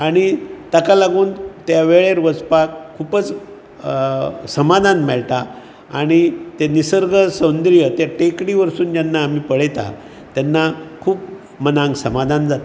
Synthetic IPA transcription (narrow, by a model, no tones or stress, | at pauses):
aɽ̃it̪əkalaɡuːnt̪jaʋeɭeɾʋət͡spakkʰːupət͡s | səmad̪ʱanmɛɭʈ̪a | aɽ̃it̪enisəɾɡʱəsənd̪ɾijət̪jaʈekɽiʋəɾsuːnd͡ʑanːaːm̤iːpəɽet̪a̰ | t̪janːakʰuːp̚ | mənãŋɡsəmad̪ʱand͡zat̪